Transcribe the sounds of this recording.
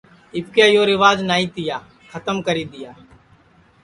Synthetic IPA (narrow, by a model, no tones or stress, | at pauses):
ɪp̚kjaːjoːɾɪʋaːd͡ʒnaːiːt̪ɪjaː | kʰət̪əmkəɾiːd̪ɪjaː